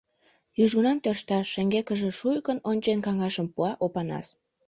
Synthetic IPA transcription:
jyʒɣunɑnt̪ørʃt̪ɑʃeŋɡekəʒĕʃujkənonʲt͡ɕenkɑŋɑʃəmpuɑʔopɑnɑ̰s

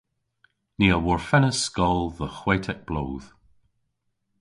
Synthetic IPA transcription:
niːəwɔɹfɛnəskɔlˠðəxwetʰɛk̚b̥loːð̥

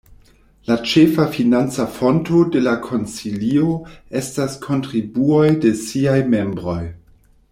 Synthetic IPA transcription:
lat͡ʃefafinant͡safo̞nto̞de̞lakʰo̞nt͡silio̞e̞staskʰo̞ntɾibuo̞jde̞siajme̞mbɾo̞j

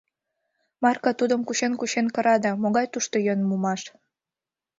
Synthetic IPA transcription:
mɑrkɑt̪ud̪əmkuɕenkuɕenkə̆ɾɑd̪emoɣɑjt̪uʃt̪ojønmumɑʃ

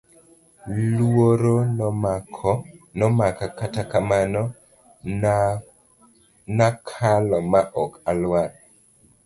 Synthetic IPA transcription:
lwoɾonmakʰɔnɔmakakatakamanɔ | nakʰalɔmaʔɔkalwal

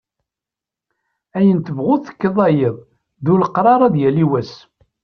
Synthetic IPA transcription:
æjənt̪əvʁʊðθə̥kːəðˤɑjəðˤ | ðuləqɾˤɑɾˤɑðjælːiwæs

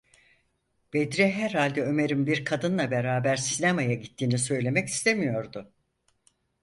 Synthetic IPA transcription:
b̥ed̪ɾɛɦæɾhalʲd̪ɛø̞me̞ɾimbiɾkʰad̪ɯnlˠabeɾaːbæɾsinemajaɟit̪ʰːiːnis̬ø̞jlʲe̞mɛci̥st̪ʰemijo̞ɾd̪ʊ

